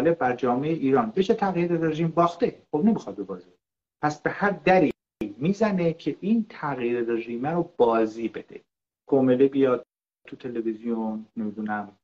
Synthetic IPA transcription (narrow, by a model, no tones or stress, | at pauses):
leb̚bæɾd͡ʒɒːme̞jeʔiːɾɒːnbeʃet̪ʰæɣjiɾereʒiːmbɒːχt̪eχobnemixɒd̪̚bebɒːzibe | pʰæsb̥e̞hæɾd̪æɾi | jmiːzænecʰe̞ʔiːnt̪ʰæɣjiːɾereʒiːmæɾob̥ɒːziːbe̞d̪̥ḛ | kʰomelebijɒːd̪̚ | t̪ʰut̪ʰe̞levizijonnemid̪uːnæm